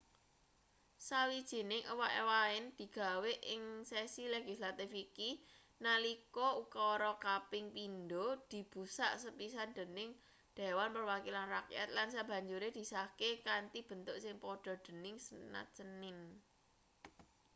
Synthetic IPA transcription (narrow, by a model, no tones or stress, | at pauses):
sawid̥ʒ̥i̤nɪŋʔəwaʔewaɪnd̪̥i̤ɡ̥a̤weʔɪŋsesileɡ̥i̤slat̪ifiki | nalikɔukɔɾɔkapɪŋpind̪od̪̥i̤b̥ṳsa̰ʔsəpisand̪̥ə̤nɪŋ | d̪̥e̤wanpərwakilanrakja̰t̪̚lansab̥ä̤ɲd͡ʒuɾed̪̥i̤sahkekant̪ib̥ə̤nt̪ʊʔsɪŋpɔɖ̥ɔ̤d̪̥ə̤nɪŋsəna̰t͡ʃənɪn